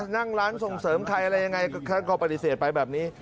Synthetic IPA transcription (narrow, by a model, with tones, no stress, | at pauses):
na˥˩ŋɾaː˦˥nso˨˩ŋsɤː˩˦mkʰa˧jʔa˧ɾa˧jːa˧ŋa˧jkʰa˦˥˩kʰɔː˧˩pa˧t̪i˨˩seː˨˩t̪̚pa˧jbɛː˨˩p̚niː˦˥